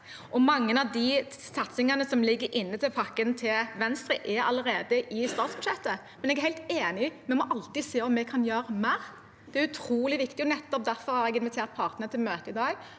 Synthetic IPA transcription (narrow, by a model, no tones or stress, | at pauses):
ʔɔmɑŋːənɑʋd̪isɑt̪sɪŋɑnəsɔmlɪɡːəɾʔɪnːət̪ɪlpʰɑkːənt̪ʰɪlʋɛnst̪ɾɪːʔɛɾɑ̰ləɾeːd̪əʔɪst̪ɑːt̪sb̥ʉʃjɛt̪ːə | mɛnɛɡæhæɪt̪eːnɪmɛmɔʔɑlt̪ɪseːɔmːɛkʰɑnjøːɾəmæɾ | d̪̥ɛæɾʉt̪ʰɾuːlɪʋɪkt̪ɪɔnɛt̪ːɔp̚d̪æɾfɔɾhɑɾɛɡɪnʋɪt̪ʰeːʁt̪̚pʰɑʁt̪nəət̪ʰɪlmøːt̪əɪd̪ɑːɡ